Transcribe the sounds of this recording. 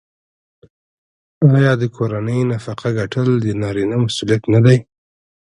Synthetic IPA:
ɑjɑd̪əkʰoɾanəjnafaqʰaɡaʈʰəld̪ənɑɾinamasulijat̪nad̪aj

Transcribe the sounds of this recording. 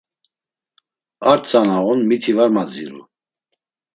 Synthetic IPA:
aɾt͡sʰanaʁunmit̪ʰivaɾmad͡zḭɾṵ

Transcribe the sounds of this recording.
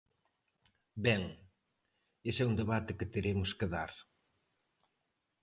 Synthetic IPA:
bɛŋ | esɛund̪eβat̪ɪket̪eɾemʊskeðaɾ

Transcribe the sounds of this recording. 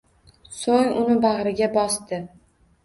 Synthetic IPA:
soŋʊnɪbaʁɾɪɡʲabɒst̪ɪ

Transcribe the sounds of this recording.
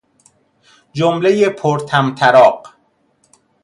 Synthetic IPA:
d͡ʒomlejepʰoɾt̪ʰæmt̪ʰæɾɒːɢ

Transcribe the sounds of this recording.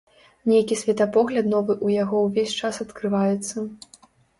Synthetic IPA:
nʲejkʲisʲvʲɛt̪ɐpɔɣlʲɐt̪nɔvɨʔujaɣɔwvʲesʲt͡ʂasɐt̪kɾɨvajɛt̪sːɐ

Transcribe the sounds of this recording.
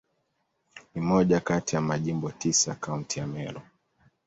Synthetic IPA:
nimɔʄakatijamaʄimbɔtisakauntijamɛɾɔ

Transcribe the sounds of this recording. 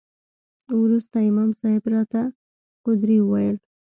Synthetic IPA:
wɾust̪aɪmɑmsɑhɪbɾɑt̪a | qʊd̪ɾiuwajəl

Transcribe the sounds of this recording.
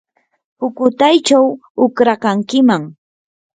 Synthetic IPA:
pʊkʊt̪ajt͡ʃawʊkɾakaŋkɪmaŋ

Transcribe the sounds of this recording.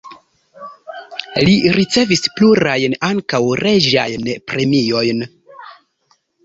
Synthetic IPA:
liɾit͡se̞vispluɾajnaŋkawɾʔe̞d͡ʒa̰jnpɾe̞mio̞jn

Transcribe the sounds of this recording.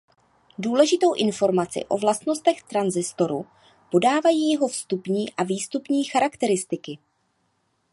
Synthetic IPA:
duːlɛʒɪt̪o̞wʔɪnfo̞ɾmat͡sɪ̰ʔo̞̰vlast̪no̞st̪ɛxt̪ɾanzɪst̪o̞ɾu | po̞daːvajiːjɛɦo̞fst̪upɲiːʔaviːst̪upɲiːxaɾakt̪ɛɾɪst̪ɪkɪ

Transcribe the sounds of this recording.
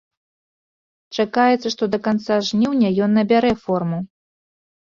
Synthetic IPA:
t͡ʂakajɛt̪sːɐʂt̪ɔd̪ɐkant̪saʐnʲiwnʲɐjɔnːɐbʲaɾɛfɔrmu

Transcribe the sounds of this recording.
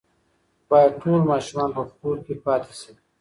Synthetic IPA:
b̥ɑːjad̪̚ʈʰolmɑːʃumɑːnpəxkuːɾkepɑːt̪e̥si

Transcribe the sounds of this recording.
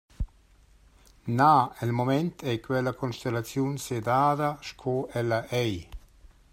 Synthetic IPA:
naɛlmomɛnt̪ʰɛjkwɛlakʰɔnʃt̪elat͡sjunsed̪aːd̪aʃkʰɔɛlaʔɛj

